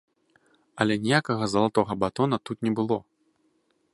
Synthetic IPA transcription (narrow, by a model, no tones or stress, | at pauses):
ɐlʲɛnʲɛjakɐɣɐzɐlˠat̪ɔɣɐbat̪ɔnɐt̪ut̪nʲɛbɨlˠɔ